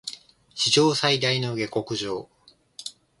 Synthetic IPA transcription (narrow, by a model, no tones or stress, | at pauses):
ɕiʑo̞ːsaid̪aino̞ɡe̞ko̞kɯ̟ʑo̞ː